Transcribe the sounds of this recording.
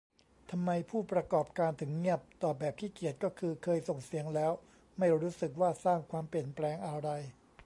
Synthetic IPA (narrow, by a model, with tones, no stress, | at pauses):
t̪ʰa˧mːa˧jpʰuː˥˩pɾa˧kɔː˨˩p̚kaː˧nt̪ʰɯ˩˦ŋːi˥˩əp̚t̪ɔː˨˩bɛː˨˩p̚t̪ʰiː˥˩ki˨˩ət̪̚kɔː˥˩kʰɯː˧kʰɤː˧jso˨˩ŋsi˨˩˦əŋlɛː˦˥w | ma˥˩jɾuː˦˥sɯ˨˩k̚waː˥˩saː˥˩ŋkʰwaː˧mpi˨˩ənplɛː˧ŋʔa˧ɾa˧j